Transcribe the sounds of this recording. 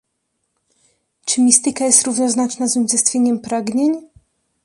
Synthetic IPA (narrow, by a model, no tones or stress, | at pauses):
t͡ʂɘmʲist̪ɘkajɛst̪ɾuvnɔznat͡ʂnazuɲzɛst̪fʲjeɲɛmpɾaɡɲeɲ